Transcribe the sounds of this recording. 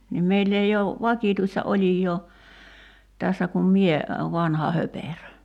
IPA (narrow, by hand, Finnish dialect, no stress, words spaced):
nim meilː ei ou ʋɑkiˑtuistɑ olʲijˑoː tæsːæ kum mie ʋɑnhɑ hoperø